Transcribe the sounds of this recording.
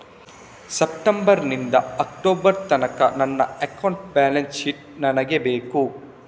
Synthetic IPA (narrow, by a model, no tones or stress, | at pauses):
sep̚ʈembɐɾnind̪ɐɐk̚ʈoːbɐɾt̪ɐnɐkɐ̰nɐnːɐ̰ekɐwɳʈ̚baːlensʃiʈ̚ | nɐnɐɡebeːku